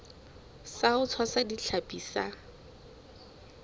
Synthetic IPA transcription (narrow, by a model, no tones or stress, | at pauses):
saʊt͡sʰwasadiɬʰapʼiːsa